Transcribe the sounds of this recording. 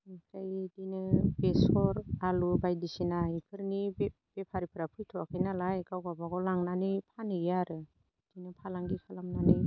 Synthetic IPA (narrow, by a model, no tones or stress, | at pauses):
mikʰɾajdinɯbesɔɾalubajdisinaipʰɯɾni | b̥epʰaɾipʰɯɾapʰɯjtʰɔakʰɯjnalajɡawɡabaɡɔlaŋnanipʰanɯaɾɯ | d̥inɯpʰalaŋɡikʰalamnani